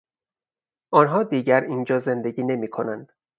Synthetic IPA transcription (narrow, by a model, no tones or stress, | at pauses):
ʔɒːnɦɒːd̪iːɟæɾiːnd͡ʒɒːze̞nd̪e̞ɟiːne̞miːkʰo̞nænd̪̥